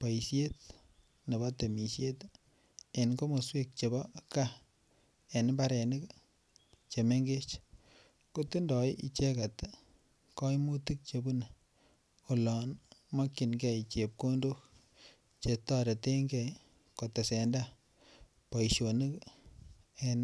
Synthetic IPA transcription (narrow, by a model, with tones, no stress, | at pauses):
pɔ˨i˨sje˦t̚ | ne˨ba˦te˨mi˨sje˦t | e˨nko˦mo˨swe˦k̚t͡ʃe˨bɔ˦ka˦ | e˨n˦ba˦ɾɛ˨ni˦k | t͡ʃe˨me˦ŋɡe˦t͡ʃ | ko˦ti˦ndɔ˨i˦ʔi˨t͡ʃe˦ka˨t | kɔ˦i˦mu˦ti˦k̚t͡ʃe˧bu˦n˨ | o˨lɔ˨nmɔ˦kːi˨nɡɛ˨jt͡ʃe˨p̚ko˦ndo˦k | t͡ʃe˨tːɔ˦ɾe˨te˦ŋɡɛ˨j | ko˨te˨se˨nda˦ | pɔ˨i˨ʃo˨ni˦k | e˨n